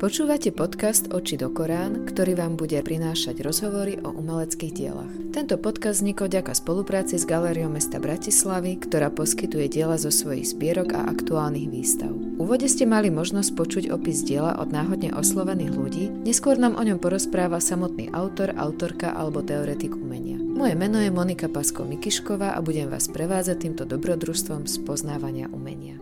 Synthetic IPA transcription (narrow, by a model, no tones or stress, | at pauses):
pɔt͡ʃuːʋacɛpɔt̪kast̪ɔt͡ʃid̪ɔkɔɾaːnkt̪ɔɾiːʋaːmbuɟɛpɾinaːʃaɟɾɔzɦɔʋɔɾiʔɔ̰ʔumɛlɛt͡skiːɣɟɪɛ̰la̰xt̪ɛnt̪ɔpɔt̪kazd̪zɲikɔɟakaspɔlupɾaːt͡sizɡalɛːɾiɔʊmɛst̪abɾacislaʋikt̪ɔɾaːpɔskit̪ujɛɟɪɛlazɔsʋɔjḭɣz̥bɪɛɾɔɡa̰ʔa̰kt̪uaːlniɣʋiːst̪a̰ʊ | uʋɔɟɛscɛmalimɔʒnɔsc̚pɔt͡ʃuɟɔpizɟɪɛla̰ʔɔ̰d̪naːɦɔd̪ɲɛ̰ʔɔslɔʋɛniːɣluɟiːɲɛskʊɔɾnaːmʔɔɲɔmpɔɾɔspɾaːʋasamɔt̪̚nḭːʔaʊt̪ɔɾa̰ʊt̪ɔɾkaʔa̰lɛbɔt̪ɛɔɾɛt̪iɡumɛɲɪa̰mɔjɛmɛnɔjɛmɔnikapaskɔ̰mikiʃkɔʋaːʔa̰buɟɛmʋa̰ːspɾɛʋaːd͡zac̚t̪iːmt̪ɔd̪ɔbɾɔd̪ɾust̪ʋɔmspɔznaːʋaɲɪa̰ʔṵmɛ̰ɲɪa